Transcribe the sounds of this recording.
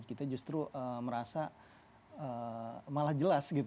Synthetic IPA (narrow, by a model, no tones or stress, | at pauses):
kit̪ad͡ʒust̪ɾuʔəməɾasa | əmalahd͡ʒəlasɡit̪